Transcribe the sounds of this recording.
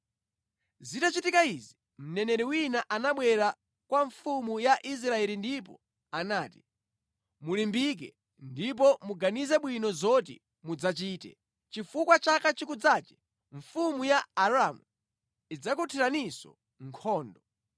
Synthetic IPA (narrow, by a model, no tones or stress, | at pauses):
zitat͡ʃitikaizi | m̩nɛnɛɾiwinaʔanaɓwɛɾa | kwaɱfumujaʔis̬ɾaɛlindipɔ̰ | anaːti̥ | mulimbik̬ɛ̰ | ndip̬ɔmuɡanizɛɓwinɔzɔtḭ | mud͡zat͡ʃiːtɛ̰ | t͡ʃifukwat͡ʃakat͡ʃikud͡zat͡ʃɛ̥ | ɱfumujaːɾamu | id͡zakutʰiɾanisɔ̰ | ŋkʰɔːndɔ